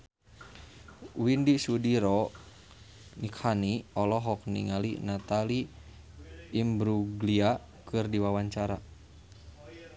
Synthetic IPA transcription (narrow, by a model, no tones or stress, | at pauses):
windisudiɾɔ | nikʰhaniɔlɔɦɔk̚nḭŋalḭnat̪ali | mbɾuɡlia | kɨrdiwawaɲt͡ʃaɾa